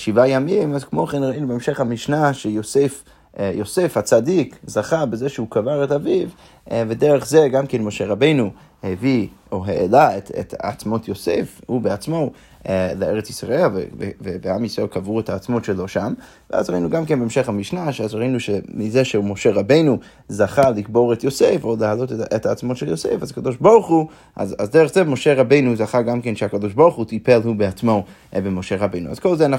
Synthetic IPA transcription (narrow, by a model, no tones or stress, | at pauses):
ʃivajamimazkmo̞χenʁainubeemʃeχhamiʃnaʃejosef | josefhat͡sadikzaχabezeʃeukavaʁetaviv | vedeʁeχzeɡamkenmo̞ʃeʁabe̞jnu | hevioɦeʔelaetʰḛta̰t͡smo̞tʰjosḛfhubeat͡smo̞ | leeʁet͡sisʁaelvevevevehamisʁelkʰavʁuɛthaːt͡smotʃeloʃam | vḛa̰zʁainuɡamkɛnbeːmʃeχhamiʃnaʃazʁainuʃemizeʃeumoʃeʁabejnu | zaχalikboʁɛtjosefoləalotethaːt͡smotʃɛljosḛfazakad̪oʃboʁχu | ʔa̰zazdɛʁəχzemoʃeʁabeɪnuzaχaɡamkenʃɛakad̪oʃboʁχutʰipelhubeat͡smo | bemoʃeʁabejnua̰z̥kolˠzeana